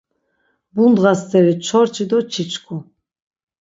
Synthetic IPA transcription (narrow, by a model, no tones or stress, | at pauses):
bund̪ʁast̪ʰɛɾit͡ʃʰɔɾt͡ʃʰid̪ɔt͡ʃʰit͡ʃʰkʰu